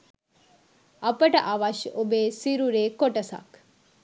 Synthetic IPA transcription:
ɐpɐʈɐʔaʋaʃobesiɾuɾekoʈɐsa̰k

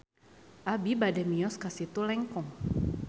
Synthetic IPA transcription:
ʔabibadɛmiɔskasit̪ulɛŋkɔŋ

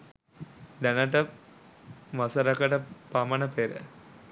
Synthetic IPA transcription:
d̪ænəʈə | ʋasɐɾɐkəʈəpamɐnəpeɾə̰

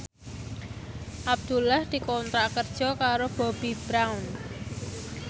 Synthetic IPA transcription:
ʔab̚d̪̥ṳlahd̪̥i̤kɔnt̪ɾaʔkərd̥ʒ̥ɔ̤kaɾob̥ɔ̤b̥i̤b̥ɾawn

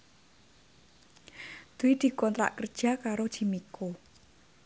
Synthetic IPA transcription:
d̪̥uwid̪̥i̤kɔnt̪ɾa̰ʔkərd̥ʒ̥a̤kaɾod̥ʒ̥i̤miko

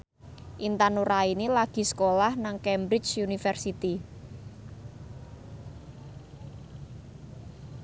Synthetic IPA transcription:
ʔint̪anuɾainilaɡ̥i̤sə̥kolahnaŋkɛmbɾɪt͡ʃunifɛrsit̪i

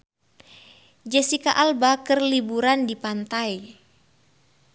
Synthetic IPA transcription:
d͡ʒɛsikaʔalbakərlibuɾandipant̪aj

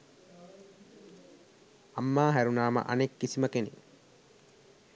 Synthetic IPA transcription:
amːaːɦæɾunaːmə̰ʔa̰nekːisiməkene

